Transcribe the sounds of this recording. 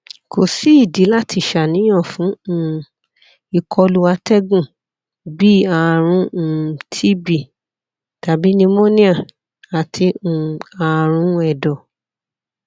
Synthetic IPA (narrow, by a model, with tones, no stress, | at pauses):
ko˨si˦i˦˨di˨˦la˦tʰi˧˨ʃa˨nĩ˨˦ɔ̃˦˨fũ˨˦˨ | i˧kʰɔ˧lu˦wa˧tɛ˦ɡũ˦˨ | bi˦a˨˧˨ɾ̃ũ˧˦˨tʰi˦bi˦˨ | ta˨bi˨˦nĩ˧mõ˦nĩ˦a˦˨ | a˨tʰi˧ũ˨a˨˧˨ɾ̃ũ˧˦ɛ˨dɔ˨